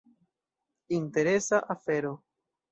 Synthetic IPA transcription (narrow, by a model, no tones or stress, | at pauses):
inte̞ɾe̞saʔafe̞ɾo̞